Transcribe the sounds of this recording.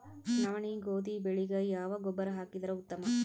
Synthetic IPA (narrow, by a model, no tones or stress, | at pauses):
nɐʋɐɳiɡoːd̪ibɛɭɪɣɐjaːʋɐɡɔbːɐɾɐɦaːkid̪ɐɾɐʊt̪ːɐmɐ